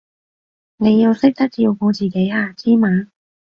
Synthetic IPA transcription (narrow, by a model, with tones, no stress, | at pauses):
ne˨˧jːɐ˨˧wsɪ˥k̚t̪ɐ˥k̚i˧wko˨˧wt͡siː˨˩ke˨˥jaː˧˩t͡siː˥maː˨˧˥n